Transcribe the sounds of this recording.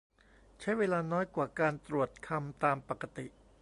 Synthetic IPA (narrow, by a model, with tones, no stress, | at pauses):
t͡ɕʰa˦˥jweː˧laː˧nɔː˦˥jkwaː˨˩kaː˧nt̪ɾu˨˩ət̪̚kʰa˧mt̪aː˧mpa˨˩kːa˧t̪i˨˩ʔ